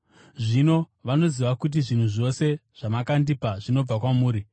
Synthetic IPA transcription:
ʐino̞ʋano̞ziʋakut̬iʐin̤uʐo̞se̞ʐ̥amakandipaʐino̞b͡vakwamuːɾi

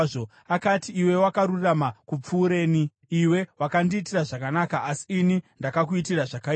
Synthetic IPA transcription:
o | akatiːwe̞wakaɾuramakup͡fuːɾe̞ːni | iwe̞wakandiːtiraʐakanakaʔasi̥inindakak̬uitiraʐaka

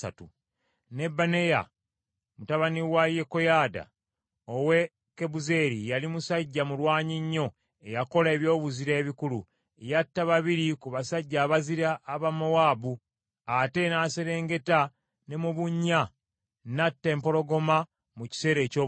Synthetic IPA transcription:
a̰tu | ne̞bːane̞ja̰ | mutaβaniwaje̞ko̞jaːda̰ | owe̞ | ke̞buze̞ɾijalimusaɟːamulwaːɲiɲːo̞ | e̞jako̞laeβjo̞ːβuziɾe̞ːβikulu | ejatːaβaβiɾikuβasaɟːaːβaziɾaʔːβamowaːbu | ate̞naːse̞ɾe̞ːŋɡe̞ta | ne̞muβuɲːa | natːe̞ːmpo̞lo̞ɡo̞ma | muci̥se̞ːɾe̞ːcoː

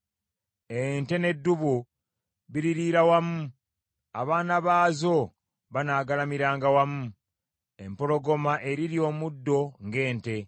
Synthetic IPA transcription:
ente̞ne̞dːuβu | βiɾiɾiːɾawamu | aβaːnaβaːzo̞ | βanaːɡalamiɾaːŋɡawamu | e̞mpo̞lo̞ɡo̞maʔe̞ɾiɾio̞ːmudːo̞ŋɡe̞ːnte̞

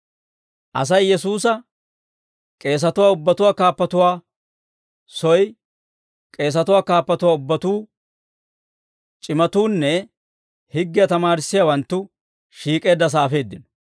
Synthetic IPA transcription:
ʔɐ̰s̬ɐjːɛsuːs̬ɐ | kʼe̞ːs̬ɐt̪ʊwaːʊbːɐt̪ʊwaːkaːpːɐt̪ʊwaː | sɔj | kʼe̞ːs̬ɐt̪ʊwaːkaːpːɐt̪ʊwaːʊbːɐt̪uː | t͡ʃʼɪmɐt̪uːnːɛ | hɪɡːɪjɐt̪ɐmaːɾɪsːɪjawɐnt̪ːʊ | ʃiːkʼe̞ːd̪ːɐs̬aːfe̞ːd̪ːɪnɔ̥

